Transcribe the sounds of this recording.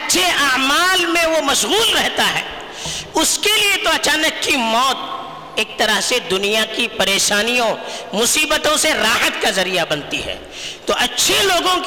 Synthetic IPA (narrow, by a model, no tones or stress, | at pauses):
ɐtːʃʰeʔaːmaːlmẽʋomɐʃɣuːlɾɛɦt̪aɦɛ̰ː | ʊskeliet̪oɐt͡ʃaːnəkːimɔːt̪̚ | eːk̚t̪ɐɾəɦsed̪ʊnijakipɐɾeːʃaːnijõmʊsiːbət̪õseɾaːɦət̪kazɐɾijabɐnt̪iɦɛ̰ː | t̪oʔɐtːʃʰeloːɡõk